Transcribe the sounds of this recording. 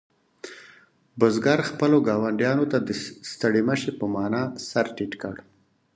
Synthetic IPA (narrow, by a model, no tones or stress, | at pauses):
bʊzɡaɾxpəloɡɑwaɳɖjɑnot̪ad̪əst̪əɽiməʃepəmɑnɑsaɾʈiʈkə̰ɽ